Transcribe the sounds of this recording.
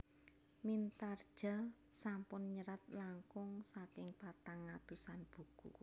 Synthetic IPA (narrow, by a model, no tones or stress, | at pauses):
mint̪ard̥ʒ̥a̤sampʊnɲəɾat̪̚laŋkʊŋsakɪŋpat̪aŋːat̪usanb̥ṳkṵ